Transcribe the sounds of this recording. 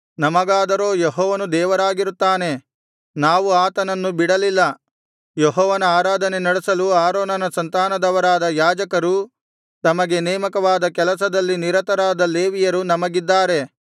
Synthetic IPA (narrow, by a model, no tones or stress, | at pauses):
nɐmɐɡaːd̪ɐɾo̞ːjeɦɔːʋɐnud̪ɛːʋɐɾaːɡiɾut̪ːaːne̞ | naːʋuaːt̪ɐnɐnːubiɽɐlilːɐ | jeɦɔːʋɐnɐaːɾaːd̪ʱɐnenɐɽesɐluaːɾoːnɐnɐsɐnt̪aːnɐd̪ɐʋɐɾaːd̪ɐjaːd͡ʒɐkɐɾu | t̪ɐmɐɡe̞nɛːmɐkɐʋaːd̪ɐkɛlɐsɐd̪ɐlːiniɾɐt̪ɐɾaːd̪ɐleːʋijɐɾunɐmɐɡid̪ːaːɾe̞